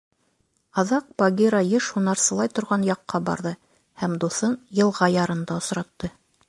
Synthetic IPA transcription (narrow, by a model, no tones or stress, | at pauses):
ɑðɑq̚pɑɡʲiɾɑjɤʃhunɑɾsɤ̆lˠɑjt̪ŏɾʁɑnjɑqːɑbɑ̰ɾðɤ | hæmd̪uθɤnjɤ̆lˠʁɑjɑɾɤ̆nd̪ɑŏsɾɑt̪ːɤ